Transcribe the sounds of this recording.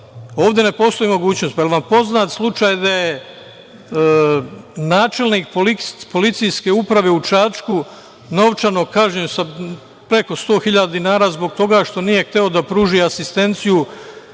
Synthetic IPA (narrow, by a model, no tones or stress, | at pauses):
o̞ːʋd̪e̞ne̞po̞ːst̪o̞imo̞ɡuːt͡ɕnost̪pajelʋampo̞znaːt̪slˠut͡ʃaːjd̪aje | naːt͡ʃe̞lˠniːk̚polipo̞lit̪sijske̞upɾaʋe̞ut͡ʃat͡ʃku | no̞ʋt͡ʃano̞kaːʒɲeusa | pɾe̞ko̞st̪o̞ːxiʎad̪ad̪inaːɾaːzbo̞ɡt̪o̞ɡaʃt̪o̞nije̞xt̪e̞o̞d̪apɾuːʒiasist̪e̞nt̪siju